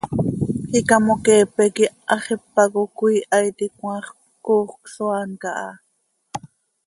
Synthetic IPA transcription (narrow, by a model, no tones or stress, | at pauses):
χikɑmokɛːpɛkiʔɑχipːɑkokʷiːʔɑjt̪ikw̃ʷɑːχp | koːχksoɑːnkɑʔɑ̰